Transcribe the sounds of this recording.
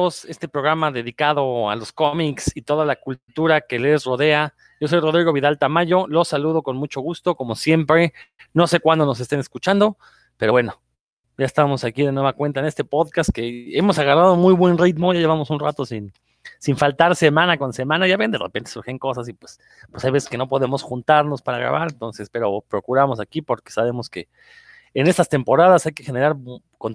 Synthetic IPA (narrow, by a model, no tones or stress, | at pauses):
ose̞st̪e̞pɾo̞ɣɾamaðe̞ðikaðo̞a̰lo̞sko̞miksit̪o̞ðalakult̪uɾake̞le̞sro̞ðe̞a | ɟ͡ʝo̞s̬o̞jro̞ðɾiɣo̞βiðalt̪amaʝo̞lo̞saluð̞o̞ko̞nmut͡ʃo̞ɣust̪o̞ko̞mo̞sje̞mpɾe̞no̞se̞kwand̪o̞no̞s̬e̞st̪ene̞skut͡ʃand̪o̞ | pe̞ɾo̞βwe̞no̞ | jaest̪amo̞sakiðenwe̞βakwe̞nt̪̬aenest̪e̞po̞ðkast̪̚ke̞emo̞saɣarað̞o̞mujβwe̞nrit̪mo̞jaje̞βamo̞sunrat̪o̞sin | siɱfalt̪aɾse̞mãnako̞nse̞mãnaʝaβend̪e̞̰repe̞nt̪esuɾxeŋko̞sasipwes | pwesajβe̞se̥ske̞no̞po̞ðe̞mo̞sxunt̪aɾno̞spaɾaɣɾa̰βaɾent̪o̞nse̞spe̞ɾo̞pɾo̞kuɾamo̞sakipo̞ɾke̞̥saβe̞mo̞ske̞ː | nest̪ast̪e̞mpo̞ɾað̞asajke̞xe̞ne̞ɾaɾ | kon